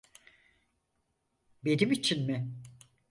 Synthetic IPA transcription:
be̞nimit͡ʃʰinmɪ

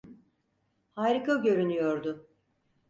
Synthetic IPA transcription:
hajɾikaɟø̞ɾynyjoɾd̪ʊ

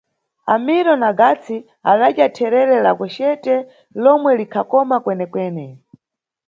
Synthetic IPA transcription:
amiɾɔnaɡat͡sʰi | aɗaʄjatʰɛɾɛɾɛla̰kwɛʃɛtɛ | lɔmwɛlikʰakɔmakwɛnɛkwɛːnɛ

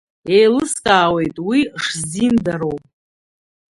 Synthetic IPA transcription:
e̞jlɨskʼaːwe̞jtʼwiʂzindaɾo̞wp

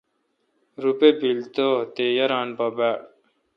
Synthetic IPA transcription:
ɾupebilt̪ot̪ejɐɾaːnbɐbaː

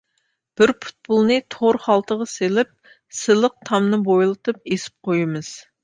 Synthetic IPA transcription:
b̥ɪɾpʰu̥t̪̚pulˠnɨt̪ʰoɾχɑlˠt̪ʰəʁɑselɪp̚ | sɨlˠəq̚t̪ʰɑmnɨbojlˠɨt̪ʰɨp̚esɪ̥p̚qʰojɨmɨz̥

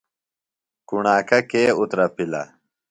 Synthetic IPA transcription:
kuɳaːkɐkeːut̪ɾɐpilɐ̰

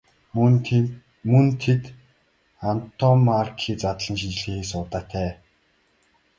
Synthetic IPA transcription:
mɵnt̪ʰet̪ | an̥t̪ʰɔmarkʰiːt͡sat̪ɮə̆nʃit͡ɕɮeːxeːsʊːt̪aːt̪ʰæː

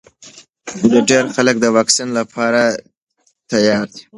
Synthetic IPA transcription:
d̪əɖeɾxalək̚d̪əwɑksinlapʰɑɾa | t̪ajɑɾd̪i̥

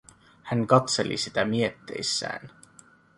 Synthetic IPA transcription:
hæŋkɑt̪selʔḭsit̪æmiet̪ːḛjsːæ̰ːn

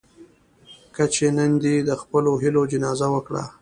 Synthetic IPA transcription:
kət͡ʃenənd̪id̪əxpəloɦɪlod͡ʒɪnɑzawəkɽa̰

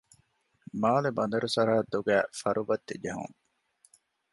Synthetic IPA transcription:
maːlebɐnd̪ɐɾusɐɾɐɐd̪ːuɡæːfɐɾʔubɐt̪ːed͡ʒeɦṵŋ

